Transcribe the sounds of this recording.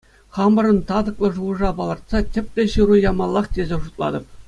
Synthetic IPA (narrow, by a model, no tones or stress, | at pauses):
χɑmɤ̆ɾɤ̆nt̪ɑd̪ɤ̆klˠɤ̆ʐuɤ̆ʐɑpɑlˠɤ̆rt̪̚sɑtʲɘ̆pʲtʲĕɕɯrujɑmɑlˠːɑχtʲezʲeʐut̪̚lˠɑ̰d̪ɤ̆p̚